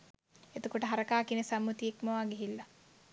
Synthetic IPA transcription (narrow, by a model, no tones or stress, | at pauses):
et̪okoʈəɦaɾəkaːkinesamːut̪iekməʋaːɡeɦilːa